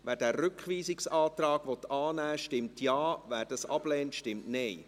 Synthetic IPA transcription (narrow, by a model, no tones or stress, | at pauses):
ʋæːɾd̥æːɾrʏkχʋiːsɪksɑːt̪rɑːɡ̥ʋɔt̪ɑːnæːʃtɪmtʰjɑːʋæːɾdɑsɑ̰b̥lɛːntʃtɪmtnej